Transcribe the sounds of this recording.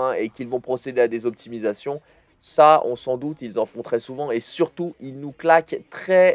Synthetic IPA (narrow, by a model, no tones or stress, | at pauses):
ɛ̃ekʲilvɔ̃pχɔsed̪ead̪ezɔp̚t̪imizasjɔ̃ | saɔ̰̃sɑ̃d̪ut̪ilzɑ̃fɔ̃t̪χɛsuvɑ̃esyʁt̪uilnuklakt̪χɛ